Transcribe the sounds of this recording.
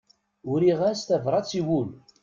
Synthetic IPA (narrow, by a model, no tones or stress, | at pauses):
ʊɾiʁæst̪ævɾˤɑt͡sːiwul